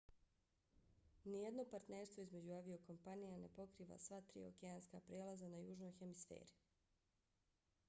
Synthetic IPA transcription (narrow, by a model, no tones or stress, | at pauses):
nijed̪no̞paɾt̪ne̞ːɾst̪ʋo̞izme̞d͡ʑuaʋio̞ko̞mpanijane̞po̞kɾiːʋa̰sʋat̪ɾḭo̞̰keaːnskapɾeːlazanajuːʒno̞jxe̞misfḛːɾi